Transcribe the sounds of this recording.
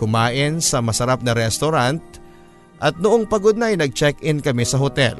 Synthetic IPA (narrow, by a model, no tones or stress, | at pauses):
ʊmaːʔɪnsɐmɐsɐɾap̚nɐɾɛst̪oɾant̪̚ | ʔɐt̪̚nʊʔoŋpɐɡod̪̚nɐɐjnɐɡ̚t͡ʃɛkʔɪnkɐmɛsɐɦot̪ɛ̰l